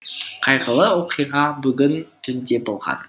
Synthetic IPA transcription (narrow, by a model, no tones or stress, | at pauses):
qʰɑjʁəlˠəwo̞qijʁɑbʏɡʲɪnt̪ʰʏnd̪e̞bo̞lˠʁɑ̰n